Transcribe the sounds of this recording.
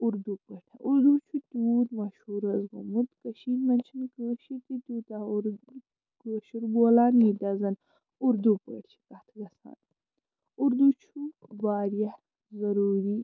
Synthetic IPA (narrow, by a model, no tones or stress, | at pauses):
uɾd̪upəʈʰɐ̰ʔuɾd̪ut͡ʃʰut̪uːt̪mɐʃhuːɾɐzɡumut̪kɐʃiːnmɐnt͡ʃʰɐnkəːʃit̪it̪uːt̪aɾ | kəːʃuɾboːlaːnid̪ɐzɐn | uɾd̪upəʈt͡ʃʰi̥kɐt̪ʰɡɐsa̰ːn | uɾd̪ut͡ʃʰubaːɾjɐ | zɐɾuːɾi